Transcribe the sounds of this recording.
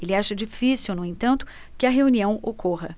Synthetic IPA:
elɪaʃɐd͡ʒifisiwnʊẽnt̪ɐ̃nt̪ʊ̥ | kɪɐɦeuniɐ̃w̃okʰoɦɐ

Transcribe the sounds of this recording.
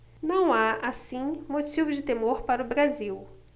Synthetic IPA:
nɐ̃w̃aasĩmot͡ʃivʊd͡ʒɪt̪emoɾpaɾʊbɾaziw

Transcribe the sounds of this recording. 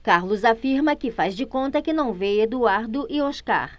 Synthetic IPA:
kaɾlʊzafiɾmɐkɪfazd͡ʒɪkõnt̪ɐkɪnɐ̃w̃vejɐd̪uaɾd̪ʊʔɪoʃka̰ɾ

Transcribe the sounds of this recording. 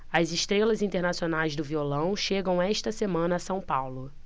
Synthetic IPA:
ɐzɪʃt̪ɾelɐzĩnt̪eɾnasionajzd̪ʊviolɐ̃w̃ʃeɡɐ̃w̃ɛʃt̪ɐsemɐ̃nɐːsɐ̃w̃pawlʊ

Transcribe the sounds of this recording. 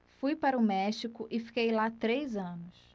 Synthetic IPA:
fujpaɾɐʊmɛʃikʊʔɪfi̥kejlat̪ɾejzɐ̃nʊs

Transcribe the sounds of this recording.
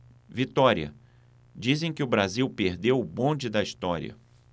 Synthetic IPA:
vit̪ɔɾiɐ̰ | d͡ʒizẽj̃kɪʊbɾaziwpeɾd̪ewʊbõd͡ʒɪd̪ɐist̪ɔɾḭɐ̰

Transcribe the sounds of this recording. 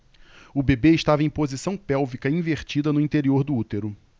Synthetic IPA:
ʊbebeɪʃt̪avɐẽj̃pozisɐ̃w̃pɛwvikɐĩveɾt͡ʃid̪ɐnʊĩnt̪eɾioɾd̪ʊut̪eɾʊ

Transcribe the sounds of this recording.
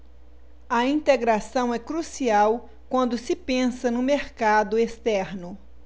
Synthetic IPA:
ɐĩnt̪eɡɾasɐ̃w̃ɛkɾusiaw | kwɐ̃nd̪ʊsɪpẽsɐnʊ̃meɾkad̪ʊest̪ɛɾnʊ

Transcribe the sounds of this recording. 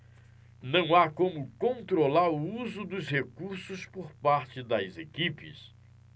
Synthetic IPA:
nɐ̃w̃akõmʊkõnt̪ɾolaɾʊuzʊd̪ʊshekuɾsʊspoɾpaɾt͡ʃɪd̪ɐzekipɪ̰s

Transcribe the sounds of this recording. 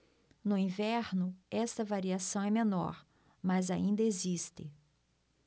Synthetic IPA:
nʊĩvɛɾnʊɛst̪ɐvaɾiasɐ̃w̃ɛmẽnɔ̰ɾ | mɐzaĩnd̪ɐezist̪ɪ̰

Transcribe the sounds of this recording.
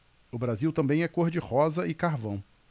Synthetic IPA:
ʊbɾaziwt̪ɐ̃mbẽj̃ɛkoɾd͡ʒɪhɔzɐɪkaɾvɐ̃w̃

